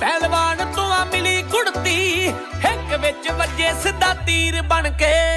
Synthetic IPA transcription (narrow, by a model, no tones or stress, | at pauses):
pɛːlbaːnt̪ʊãːmɪliːkʊɽt̪iː | ɦɪkʋɪt͡ʃbəd͡ʒeːsɪd̪aːt̪iːɾbəɳkeː